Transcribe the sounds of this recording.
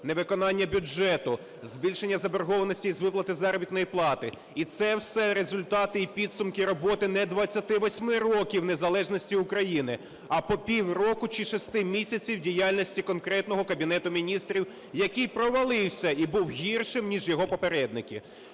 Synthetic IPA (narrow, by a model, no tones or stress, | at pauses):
neʋɪkɔnɑnʲːɐbʲʊd͡ʒɛt̪ʊ | zʲbʲilʲʃenʲːɐzɐberɦɔʋɐnɔsʲtʲiizʋɪplˠɐt̪ɪzɑɾɔbʲit̪nɔjiplˠɑt̪ɪ | it̪sɛwsɛɾezʊlʲt̪ɑt̪ɪipʲid̪sʊmkɪɾɔbɔt̪ɪnɛd̪ʋɐt͡sʲːɐt̪ɪʋɔsʲmɪrɔkʲiwnezɐlˠɛʒnɔsʲtʲiʊkɾɐjinɪ | ɐpɔpʲiwrɔkʊt͡ʃɪʃɔsʲt̪ɪmʲisʲɐt͡sʲiwdʲijɑlʲnʲisʲtʲikɔnkɾɛt̪nɔɦɔkɐbʲin̪ɛt̪ʊmʲinʲist̪ɾʲiw | jɐkɪjpɾɔʋɐlˠɪwsʲɐibuwɦʲirʃɪmnʲiʒjɔɦɔpɔpeɾɛd̪nɪkʲi